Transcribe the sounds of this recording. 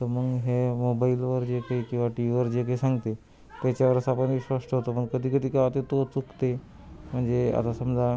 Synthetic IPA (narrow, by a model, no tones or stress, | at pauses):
t̪əɾməɡɦemobailʋəɾd͡ʑekaɦiːkĩw̃ʋaʈiʋiʋəɾd͡ʑekaɦisãŋɡt̪e | t̪jat͡ɕjaʋəɾəsapəɳʋiɕʋasʈəɦot̪opəɳkəd̪ʱiːkəd̪iːkaat̪et̪ot͡sukt̪e | m̤əɳd͡zea̰t̪asəmd͡za